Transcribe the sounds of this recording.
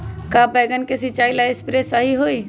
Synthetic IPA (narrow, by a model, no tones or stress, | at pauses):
kabɛːɡənkesɪt͡ʃaːilaɪspɾesaɦiɦoi